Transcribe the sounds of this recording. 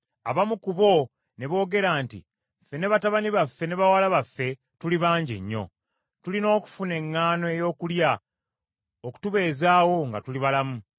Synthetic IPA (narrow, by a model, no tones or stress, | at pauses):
aβamukuβo̞ | ne̞βo̞ːɡe̞ɾaːntḭ | fe̞ne̞βataβaniβafːe̞ne̞βawalaβafːe̞ | tuliβaːɲɟḛɲːo̞̰ | tulino̞ːku̥fune̞ŋːaːno̞e̞jo̞ːkulja | oku̥tuβe̞ːzaːwo̞ŋɡatuliβalamu